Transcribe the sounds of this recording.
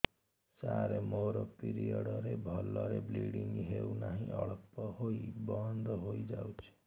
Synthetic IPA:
saɾemoɾopiɾijʌɽʌɾebʱʌlːʌɾebliɽiŋɡɦewnaɦĩʔʌɭʌpːʌhojbʌnd̪ʱʌɦojd͡zawt͡sʰi̥

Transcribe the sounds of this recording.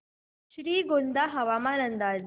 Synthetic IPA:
ɕɾiːɡond̪aɦɐʋaːmaːnənd̪aːd

